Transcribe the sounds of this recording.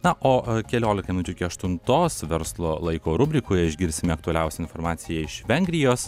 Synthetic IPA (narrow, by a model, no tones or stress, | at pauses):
nɐʔoːkʲɛlʲoːlʲɪkɐmɪnʊt͡ʃʲʊɪkʲiɐʃt̪ʊnt̪oːsʋʲɛɾslˠoːlˠɐɪkoːɾʊbʲɾʲɪkoːjɛɪʒʲɡʲɪɾʲsʲɪmʲɪɐk̚t̪ʊɐlʲɛʊsʲɛɪnfoːɾmɑːt̪sʲɪjɛɪʃʋʲɛŋʲɡʲɾʲɪjoːs